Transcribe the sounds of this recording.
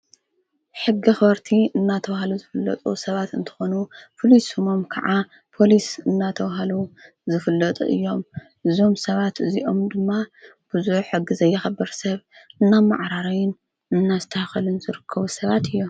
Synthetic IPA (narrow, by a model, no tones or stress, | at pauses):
ħɨɡːixβɐɾt̪ʰiɨnːat̪ʰɐwhaluzɨfɨlːɐ̰t̪ʼṵsɐβat̪ɨnt̪ʰɨ̥xo̞nufʰɨlisomomkʰɐ̰ʕa | pʰo̞lisɨnːat̪ʰɐwɦalu | zɨfɨlːɐt̪ʼṵʔɨ̰jːo̞m | ʔɨzo̞msɐβat̪ɨziʔo̞md̪ɨmːab̥ɨzuħħɨɡːizɐjːɛxɐbːɐɾsɐβɨnːama̰ʕɾaɾajɪn | ɨnːazɨt̪ʰɐhxɐlɨnzɨɾɨkʰːɐβusɐβat̪ʰɨjːo